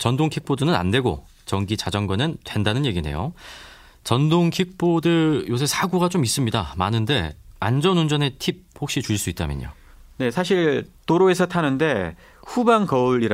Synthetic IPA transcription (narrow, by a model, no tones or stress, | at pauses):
t͡ɕʌndoŋkʰik̚p͈ʰodɯnɯna̰nde̞ɡo̰ | t͡ɕʌŋɡit͡ɕad͡ʑʌŋɡwanɯntwe̞ndanɯnje̞ɡine̞̰jo̰ | t͡ɕʌndoŋkʰik̚p͈ʰodɯjos̬ʰesʰaɡuɡat͡ɕomis͈ɯmɲidamanɯnde̞a̰nd͡ʑʌnund͡ʑʌne̞tʰip̚hok̚ɕ͈it͡ɕuiɭs͈uit̚t͈a̰mjʌ̰ɲo̰ | ne̞sʰaɕ̬ʰiɭtoɾoe̞sʰʌtʰanɯnde̞ | ɸubaŋkʌuɭːiɾa